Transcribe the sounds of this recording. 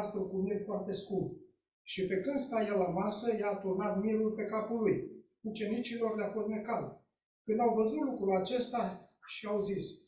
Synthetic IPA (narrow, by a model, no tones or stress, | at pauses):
st̪ɾukunejfoart̪e̞skumb | ʃipe̞kɨnd̪st̪ajalamasəjat̪urnat̪miɾulpe̞kapuluj | ut͡ʃe̞nit͡ʃilo̞rleafo̞st̪nekaz | kɨnd̪awvəzut̪lukɾulat͡ʃe̞st̪aʃiawzis